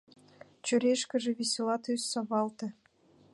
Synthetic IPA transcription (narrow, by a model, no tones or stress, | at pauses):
t͡ɕø̆ɾʲeʃkʲɘ̆ʒɘ̆βʲesʲelˠɑt̪yssɑβɑlˠt̪ɘ̆